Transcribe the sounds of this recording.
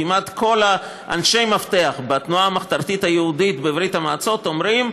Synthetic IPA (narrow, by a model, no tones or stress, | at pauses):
imat̪kʰo̞la | ʔa̰nʃe̞jmafte̞aχbet̪nuaːmaχt̪aɾt̪ithajeuditbevɾitamaːt͡so̞to̞mɾim